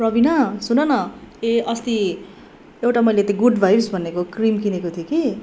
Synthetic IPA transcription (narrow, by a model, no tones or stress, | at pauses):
prʌbinʌsunʌnʌeʌst̪i | ewʈamʌjlet̪ʌɡuɖbʱajbsbʱʌnekokrimkinekot̪ʰijoki